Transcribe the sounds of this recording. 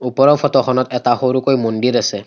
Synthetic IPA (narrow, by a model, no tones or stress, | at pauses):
upɔɹawfʰɔtɔxʰɔnɔtɛtaxoɾukojmondiɾasɛ